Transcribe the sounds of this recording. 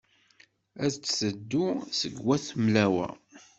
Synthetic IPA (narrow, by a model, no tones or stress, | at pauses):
æðt͡sːsəd̪ːusəɡwæθmlæwæ̰